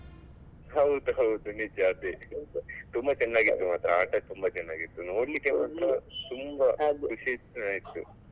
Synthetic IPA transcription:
ɦɐwd̪uɦɐwd̪unid͡ʒaːt̪i | t̪umbɐt͡ʃɛnːaːɡit̪ːumaːt̪ɾɐaːʈɐt̪umbɐt͡ʃɛnːaːɡit̪ːuno̞ːɽlikːemaːt̪ɾɐt̪umbɐd̪ukuʃet͡ʃnaːjit̪ːṵ

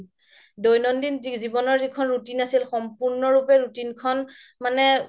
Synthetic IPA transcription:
dojnɔndinzizibɔnɔɹzikʰɔnɹutinasilxɔmpuɹnɔɹupɛɹutinkʰɔnmanɛ

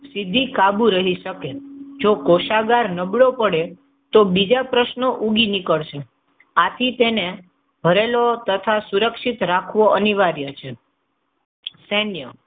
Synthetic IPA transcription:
sid̪ʱikabuɾəɦiʃəked͡ʒokoʃaɡaɾnəbɭopəɽe | t̪obid͡ʒapɾəʃnoʔuɡinikəɭʃe | at̪ʰit̪ene | bʱəɾelot̪ət̪ʰasuɾəkʃit̪ɾakʰʋoʔəniʋaɾjət͡ʃʰe | senjə

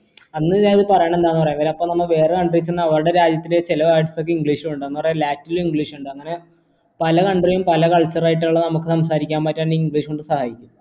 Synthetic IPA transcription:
ɐnːɨaɐðɨpɐrɐjaːɳe̞nd̪aːɐnɨpɐrɐjaiʋɐɾɐpːomnɐmːɐɭʋe̞ːrekɐɳɖriit͡ɕːnːɐʋɐɾuɽe̞ɾaːd͡ʑjɐt̪ːindet͡ɕilɐʋaːjiʈsokːeiŋɡɭiːʂuuɳɖɨɐnːɨpɐrɐjalaːtːilumiŋɡɭiːʂuɳɖɨɐŋːɐne | pɐlɐkɐɳɖrijumpɐlɐkɐɭt͡ɕːɐraːjiʈːuɭːɐnɐmukːɨsɐms̬aːɾikʲːaːnmpaːtːaːiŋɡɭiːʂoɳɖɨsɐhaːjikʲːum

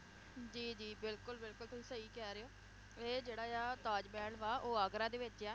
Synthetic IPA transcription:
d͡ʒiːd͡ʒiːbɪlkʊlbɪlkʊliːsəiːkɛːɾeːoː | eːd͡ʒeːɽaːjaːt̪aːd͡ʒbɛːɽʋaːʔoːəɡɾãːd̪eːʋɪt͡ʃɛː

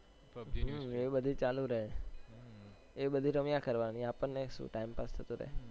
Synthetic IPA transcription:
ebəd̪ʱit͡ʃalũɾəɦe | ebəd̪ʱiɾəmjakəɾʋaniapəɳneʃṵ̃ʈaimpast̪ʰət̪ũɾə̰ɦe

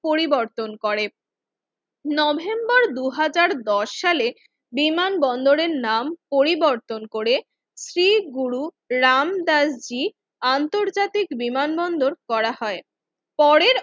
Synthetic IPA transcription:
poɾiboɾt̪onkoɾe | nɔbʱembɔɾd̪uɦad͡ʑaɾd̪ɔʃːale | bimanbɔnd̪oɾeɾnampoɾiboɾt̪onkoɾe | sɾiɡuɾu | ɾamd̪asd͡ʑi | ant̪oɾd͡ʑat̪ikbimanbɔnd̪oɾkɔɾaɦɔe | pɔɾeɾ

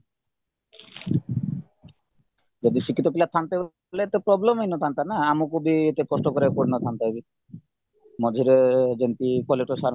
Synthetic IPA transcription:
d͡ʒɔd̪isikʰːit̪opilat̪ʰːant̪eb | leet̪epɾɔblemejnɔt̪ʰant̪anaamukubiet̪ekɔsʈɔkɔɾekoɽnɔt̪ʰant̪abi | mɔd͡ʒʱiɾed͡ʒent̪ikɔleʈosaɾ

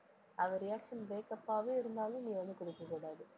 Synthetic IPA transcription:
ɐʋɐɾɪjaːkʂɐnbeːkːɐpːaːʋeːɪɾɯnd̪aːlɯ̃niːʋɐnd̪ɯkɔɽɪkːɯkuːɽaːðɯ

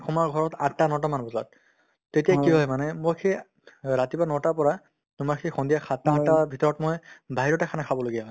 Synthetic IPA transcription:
kʰɔmaɹɡʱɔɹɔtatːanɔtɔmanbɔza̰t̚ | tetijakiɦɔjmanɛmokʰe | ɹatibanɔtapɔɹa | numakʰexɔndijakʰatatabʱitɔɹɔtmojbʱaɦiɹɔtakʰanakʰabɔloɡijaɦɔ

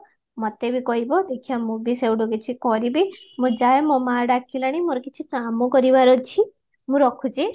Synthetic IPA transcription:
mɔt̪ebikɔɦibɔd̪ekʰijamũbisewɖɔɡet͡ʃʰikɔɾibimũd͡ʒajemɔ̃maɾɖakʰilaɽ̃imoɾɔkit͡ʃʰikamɔkɔɾibaɾɔt͡ʃʰi | mũɾɔkʰut͡ʃʰi

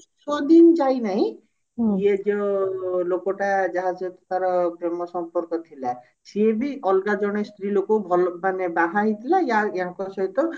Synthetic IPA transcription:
sɔd̪ind͡ʒajnaɦĩ | ied͡ʒɔlokɔʈad͡ʒaɦad͡ʒɔt̪kaɾɔbɾemɔsɔmpɔɾkɔt̪ʰila | siebiʔɔlɡad͡ʒɔɽ̃est̪ɾilokɔbʱɔlbanebaɦaɦit̪ʰilajaeɦãkɔsɔɦit̪ɔ

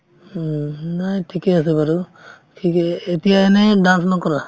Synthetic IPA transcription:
najʈʰikeas̬ebaɾu | tʰikeet̪ijaɛneɖãnsnɔkɔɾa

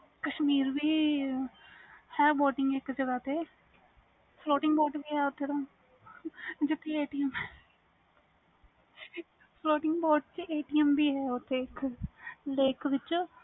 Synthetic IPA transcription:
kəʃmiːɾʋiː | hɛːboːʈɪ̃ŋɡɪkd͡ʒəɡaːt̪eː | floːʈɪ̃ŋɡbɔːʈbiːɦɛːʊt̪ʰːeːɾãː | d͡ʒɪt̪ʰːeːeːʈijəmɛː | pʰloːʈɪ̃ŋɡbɔːʈt͡ʃieːʈiːjəmbiːɦɛːʊt̪ʰːeːɪk | leːkʋɪt͡ʃː

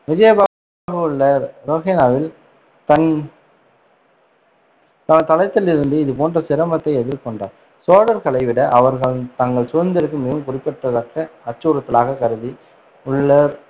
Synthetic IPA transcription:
mɪd͡ʒeːba | ɣɐʊɭːɐɾoːɣenaːʋɪl | t̪ɐn | t̪ɐnt̪ɐlɐɪt̪ːɪlɪɾɯnd̪ɯɪðɯpoːndrɐsɪɾɐmɐt̪ːɐɪɛðɪɾkɔɳɖa̰ːɾ | soːɽɐɾkɐɭɐɪʋɪɽɐʔɐʋɐɾɣɐɭɯt̪ɐŋɡɐɭsʊɐnd̪ɐɾɯkːɯmeːɣɯmkʊrɪpːɛʈːɐðɐkːɐːt͡ʃːuːɾɐt̪ːɪlaːɣɐkɐɾɯði | ʊɭːɐɾ

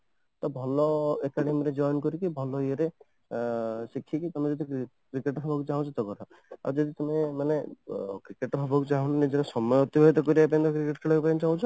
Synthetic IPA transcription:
t̪ɔbʱɔlɔekaɽemiɾed͡ʒɔjnkɔɾikibʱɔlɔieɾe | sikʰikit̪ɔmẽd͡ʒɔd̪i | kɾikeʈbʰʱabɔkut͡ʃaɦw̃t͡ʃʰɔt̪ɔkɔɾa | a̰wd͡ʒɔd̪it̪ɔmemanekɾikeʈɔpʰɔbʱɔkut͡ʃaɦɔ̃nnid͡ʒeɾesɔmɔjɔɦt̪ibʱɔjt̪̬ɔkɔɾiapãt̪kɾikeʈkʰeɽɔkpajnt͡ʃaũt͡ʃʰɔ

